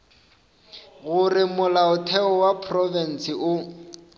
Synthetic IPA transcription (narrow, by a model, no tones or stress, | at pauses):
ɣʊrɪmʊlaʊtʰɛɔwapʰrɔvɛn̩sɪʔʊ